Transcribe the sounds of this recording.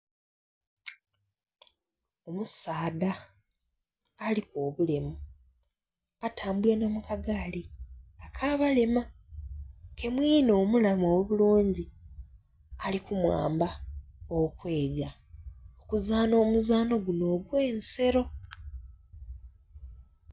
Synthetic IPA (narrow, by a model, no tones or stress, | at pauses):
o̞musaːda | liko̞ːβule̞mu | atʰaːmbule̞no̞ːmukaɡaliakʰaβale̞ma | ke̞mwiːno̞ːmulamoweβuluːɲɟi | alikumwa̰ːmbaokwe̞ːɟa | okuzaːno̞ːmuzaːno̞ɡuno̞ːɡwe̞ːnse̞ɾo̞